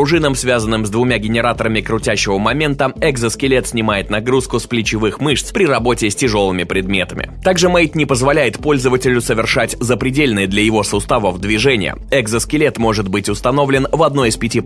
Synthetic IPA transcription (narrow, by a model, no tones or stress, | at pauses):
ʊʐɨnəmsvʲazənːɨmzd̪vʊmʲaɡʲɪnʲɪɾat̪əɾəmʲɪkɾʊtʲæɕːɪvəmɐmʲe̞nt̪əɛɡzəskʲɪlʲet̪sʲnʲɪmajɪt̪nɐɡɾuskʊsplʲɪt͡ɕɪvɨxmɨʂt̪spɾʲɪrɐbo̞tʲɪsʲtʲɪʐo̞lˠɨmʲɪpɾʲɪd̪mʲe̞t̪əmʲɪ̰t̪aɡʐɨmejt̪ʲnʲɪpəzvɐlʲæjɪt̪po̞lʲzəvətʲɪlʲʊsəvʲɪrʂatʲzəpɾʲɪdʲelʲnɨjəd̪lʲɐjɪvo̞sʊst̪avəvd̪vʲɪʐɛnʲɪ̰jə̰ɛɡzəskʲɪlʲet̪mo̞ʐɨt̪bɨtʲʊst̪ɐno̞vlʲɪnvɐd̪̚noɪspʲɪtʲi